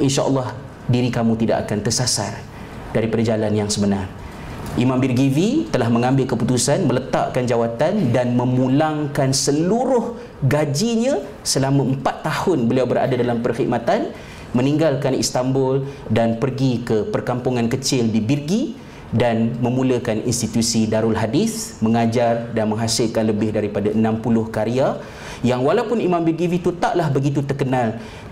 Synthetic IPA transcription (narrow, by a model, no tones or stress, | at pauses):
ʔinʃaʔə̰lːɑh | diɾikamũt̪idaʔa̰kant̪ərsasa̰r | d̥aɾipadad͡ʒalanjaŋsəbənar | ʔimãmbirɡivit̪əlahmə̃ŋãmbɪlkəput̪usanmə̃lət̪a̰ʔkand͡ʒawat̪andanmə̃mulaŋkansəluɾʊh | ɡad͡ʒiɲã | səlamãəmpat̪ːahʊnbəliawbəɾa̰dadalampərxiʔ̚mat̪an | mə̃niŋɡalkanḭst̪ambʊldanpərɡikəpərkampuŋãnkət͡ʃɪldibirɡi | danmə̃mũləkanḭnst̪it̪usidaɾʊlɦadɪsməŋad͡ʒardanmə̃ŋɦasɪlkanləbɪhdaɾipadaʔənãmpulʊhkaɾia | jaŋwalawpʊnimãmbirɡivit̪ut̪aʔlahbəɡit̪ut̪ərkənal